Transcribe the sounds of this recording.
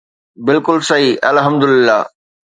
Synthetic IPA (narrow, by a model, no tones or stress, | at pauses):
bɪlkʊlsɐɦiʔɐlɦɐmd̪ʊlɪlːa̰ː